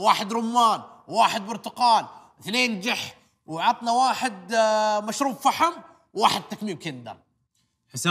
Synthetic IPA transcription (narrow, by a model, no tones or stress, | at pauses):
waːħɪd̪ɾʊmːaːnwwaːħɪd̪̚bʊɾt̪ʊqɑːnwθneːnd͡ʒɪħ | wʕɑt̪ˤnawaːħɪd̪maʃɾuːbfaħam | wwaːħɪd̪̚t̪ːakmiːb̚kɪnd̪ɑ̰ɾˤ | ħɪsa